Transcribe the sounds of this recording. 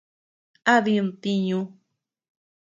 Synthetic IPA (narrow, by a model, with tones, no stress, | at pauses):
a˦ði˧nt̪i˧ɲũ˧